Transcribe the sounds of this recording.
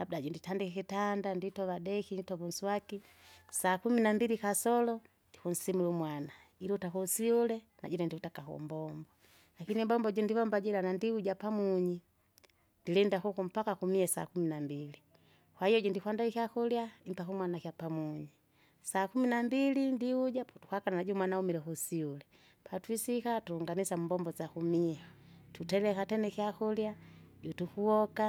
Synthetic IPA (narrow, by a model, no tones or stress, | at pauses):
lab̚daɟɔnditandikɛkitandanditɔvadɛkinitɔβunsuaki | saːkuminambilikasɔlɔ | ndikun̩simulumwana | iɾutakusiulɛ | na̰ɟɛlɛndiutakakɔ̰mbɔmbɔ | lakinimbɔmbɔɟɔndivɔmbaɟɛlanandiuɟapamuɲi | ndilɛndakukum̩pakakumiɛsa̰kuminambili | kwahijɔɟɔndikwandaikiakuljaim̩pakumwanakjapamuɲi | saːkuminambilindiuɟapɔtu̥kwakananaɟumwanaumilɛkusiulɛ | pʰatwisikatuuŋɡanisamumbɔmbɔzakumiɛtutɛlɛkatɛnɛkiakuljaɟutukuɔka